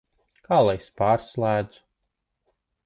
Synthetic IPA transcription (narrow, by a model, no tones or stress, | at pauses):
kaːlˠajspaːɾslˠæːd̪z̥u̥